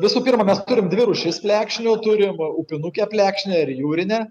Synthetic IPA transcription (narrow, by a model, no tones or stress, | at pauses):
ʋʲɪsuːpʲiɾmɐmʲɛst̪ʊɾʲɪmd̪ʲʋʲɪɾʊʃʲɪspʲlʲæːkʃʲnʲut̪ʊɾʲɪmʊpʲɪnukʲɛpʲlʲæːkʃʲnʲɛɪɾjuːɾʲɪnʲɛ